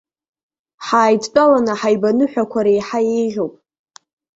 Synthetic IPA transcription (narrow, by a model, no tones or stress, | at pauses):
ħaːjtʼt͡pʼalanaħajbanɨħʷᶣakʷʰaɾejħajejʒʲowpʼ